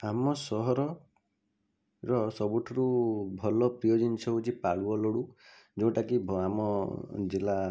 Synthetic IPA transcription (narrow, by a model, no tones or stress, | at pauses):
amɔsɔɦɔɾɔ | ɾɔsɔbuʈʰɔɾubʱɔlɔpɾijɔd͡ʒɔnt͡ʃʰɔɦut͡ʃʰipaɭuɔlɔɽu | d͡ʒɔw̃ʈakibʱamɔd͡ʒila